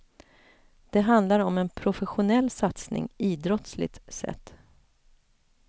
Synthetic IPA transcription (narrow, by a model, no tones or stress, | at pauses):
d̪̥ɛɦand̪laɾɔmɛnpʰɾʊfɛɧʊnɛlːsat̪snɪ̰ŋiːd̪ɾɔt̪slɪ̰t̪sɛ̰t̪ː